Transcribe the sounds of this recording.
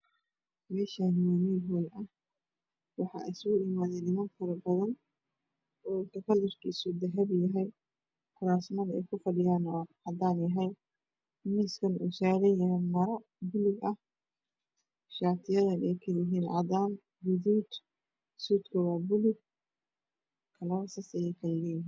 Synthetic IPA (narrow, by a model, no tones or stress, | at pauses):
mɛːʃanwɛniːɦɔlʔɐh | wɑħɑ̰ːɪsʊɣʊɪmaːðɛːnɪmanfɐɾɐbɐðɐn | ɔːkʰɐkʰɐd̪ɐrkʰiːsʊd̪ɐɦɐbjɐɦɛj | kʰʊɾaːsmɐðɛ̰jkʰʊfɐɖɪjaːnɔ | ɑd̪aːnjɐɦɛj | miːskʰɐnʔṵsaːɾɐjɐnmɐɾɐ | bʊlɪɡɐh | ʃaːt̪ʰɪjɐðɐnɛjkʰɐjɪɦiːnʔɑ̰d̪aːn | bʊðuːd̪ | suːt̪kʰɔwaːbʊlɪɡ̚ | kʰɐlɐsɐsɐjɛjkʰɐllɛːjɪɦiːn